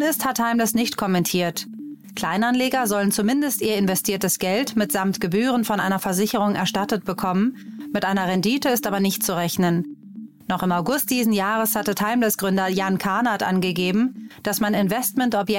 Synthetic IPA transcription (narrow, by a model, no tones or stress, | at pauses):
nɪsthatʰaɪmləsnɪçtkʰɔmɛntʰiːɐt | kl̥aɪnanleːɡɐzɔlənt͡sumɪndəstiːɐɪnvɛstʰiːɐtəsɡ̥ɛltmɪtz̥amtɡ̥əbyːʁ̞ənfɔnʔa̰ɪnɐfɛɐzɪçəʁʊŋʔɛɐʃtatət̚b̥əkʰɔmənmɪtʔaɪnɐʁɛndiːtəɪstʔaːbɐnɪçt̚t͡suʁɛçnənː | ɔχɪmaʊɡʊst̚d̥iːzn̩jaːʁ̞əshatətʰaɪmləsɡ̥ʁʏndɐjankʰaɐnatʔa̰nɡəɡeːbm̩d̥asmanɪnvɛstmɛntɔpjɛ